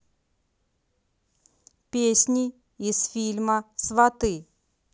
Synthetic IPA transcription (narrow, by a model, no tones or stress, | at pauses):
pʲesʲnʲɪː | sfʲilʲməsvɐt̪ɨ